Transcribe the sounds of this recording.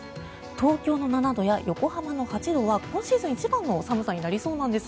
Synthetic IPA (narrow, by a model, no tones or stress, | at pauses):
t̪o̞ːkʲo̞ːno̞nanad̪o̞jajʔo̞ko̞hamano̞hat͡ɕid̪o̞βakõ̞ɰ̃ɕiːzɨ̃ɲ̃it͡ɕibãnːosamɯ̟saɲ̟inaɾʲiso̞ːnãnd̪e̞sɨ̥